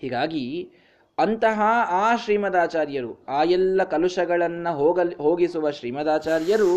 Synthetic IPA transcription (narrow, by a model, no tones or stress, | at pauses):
hiːɡaːɡi | ɐnt̪ɐɦɐaːʃɾiːmɐd̪aːt͡ʃaːɾjɐɾuaːjɛlːɐkɐluʂɐɡɐɭɐnːɐɦoːɐɦoːɡisuʋɐʃɾiːmɐd̪aːt͡ʃaːɾjɐɾu